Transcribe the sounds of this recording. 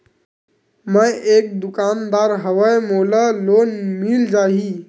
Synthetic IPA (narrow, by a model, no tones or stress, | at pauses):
məjʔek̚d̪ukand̪aɾɦəʋəjmoləlonmild͡ʒaɦi